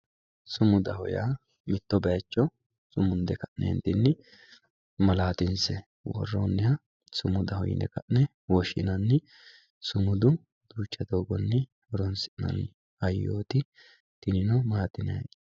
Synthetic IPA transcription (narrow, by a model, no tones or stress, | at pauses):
sʊmʊd̪ɐhɔja̰ | mɪt̪ːɔbɐjɐt͡ʃːɔ | sʊmʊnd̪ɛkɐʔnʔɛ̰ɛ̰nt̪ɪnːɪ | mɐlaːt̪ɪnsɛ | wɔ̰rːoːnːɪhɐ | sʊmʊd̪ɐhɔ̰jɪ̰nɛ̰kɐʔnɛ | wɔʃɪnɐnːɪ | sʊmʊd̪ʊ | d̪̥uːt͡ʃːɐd̪oːɡɔnːɛ | ɔɾɔnsɪʔnɐ̰n | ɐjːo̰ːt̪ɪ | t̪ɪnɪnɔmaːt̪ːɪnɐj̰